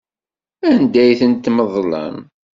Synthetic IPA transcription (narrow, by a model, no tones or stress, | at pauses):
ænd̪æjθənt̪ːməðˤlə̰n